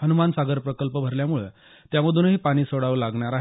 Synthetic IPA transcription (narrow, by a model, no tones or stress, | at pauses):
ɦənumansaɡəɾpɾəkəlpəbʱəɾljamuɭḛ | t̪jaməd̪ʱuːnɦiːpaɽ̃iːsoɽaʋəlaɡɳaɾaɦ